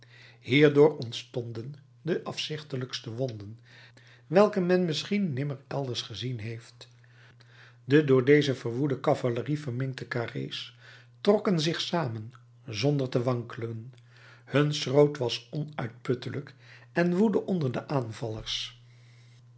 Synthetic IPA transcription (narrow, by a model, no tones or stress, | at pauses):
hiːɹdʊːɹɔntstɔndən | dəʔɑfsɪχtələkstəʋɔndən | ʋɛlˠkəmɛnmɪsχinːɪməɹɛlˠdəɹsχəzinɦejft | dədʊːɹdejzəvəɹʋudəkɑvalərivəɹmɪŋk̚təkaːrḛjs | trɔkənzɪχsaːmən | zɔndəɹtəʋɑŋkələn | hɵnsrowtʋɑsɔnœɥt̚pɵtələk | ɛnʋudəʔɔndəɹdəʔaːnvɑlˠəɹs